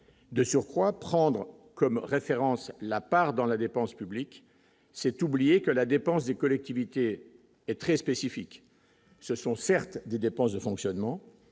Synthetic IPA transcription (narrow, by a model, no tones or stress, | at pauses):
d̪əsyʁkχwapχɑ̃d̪ʁ | kɔmʁefeʁɑ̃slapaʁd̪ɑ̃lad̪epɑ̃spyblik | sɛt̪ublijekəlad̪epɑ̃sd̪ekɔlɛk̚t̪ivit̪e | ɛt̪χɛspesifik | səsɔ̃sɛʁt̪d̪ed̪epɑ̃sd̪əfɔ̃ksjɔnmɑ̃